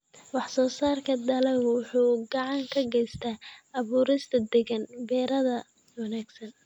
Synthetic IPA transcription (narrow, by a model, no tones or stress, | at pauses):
wɑħsɔːsaːrkʰɐd̪ɐlɛwʊħuːɡɑʕɑŋkʰɐɡɛjst̪ʰaːɐβuːɾɪst̪ʰɐd̪ɛɣɐnbɛːɾɐðɐ | wɑnaːɡsɐn